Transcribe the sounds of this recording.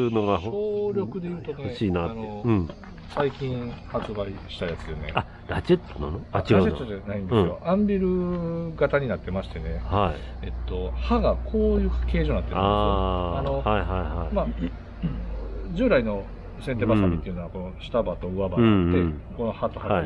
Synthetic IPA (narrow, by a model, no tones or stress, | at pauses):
noɡaɕoːɾʲo̞kɯ̟d̪e̞jiɯt̪oneɕiːnaanõ | saikʲĩɰ̃hat͡sɨbaiɕi̥t̪ajat͡sɨjonea | ɾat͡ɕet̪ːonanoaɾad͡ʑet̪ːod͡ʑanaĩnd̪sɨɨjo̞ʔãmbʲiɾɯ̟ɡat̪aɲ̟inat̪ːe̞maɕi̥t̪e̞ne̞haie̞t̪ːo̞haɡakʰo̞ːjɯ̟ːkʰake̞ːʑo̞ːnat̪eɾnaaano̞haiɦaihama | d͡ʑɨːɾaino̞ | sent̪e̞basamʲit̪ːeiɯ̟noako̞no̞ɕi̥t̪abat̪o̞ɯ̟abaeko̞no̞hat̪oha